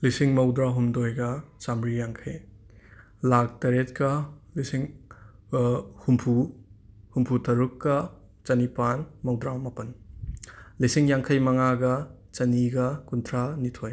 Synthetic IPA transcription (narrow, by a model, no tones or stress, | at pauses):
lisiŋmɐwdɾaɦumdojɡɐt͡ʃamɾijaŋkʰɐj | lak̚tɐɾet̚kɐlisiŋ | humpʰu | humpʰutʰɐɾukːɐ | t͡ʃɐnipanmɐwdɾamɐpɐn | lisiŋjaŋkʰɐjmɐŋaɡɐ | t͡ʃɐniɡɐkuntʰɾanitʰoj